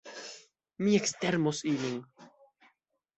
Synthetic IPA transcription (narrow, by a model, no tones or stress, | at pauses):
miekst̪ɛɾmosiliŋ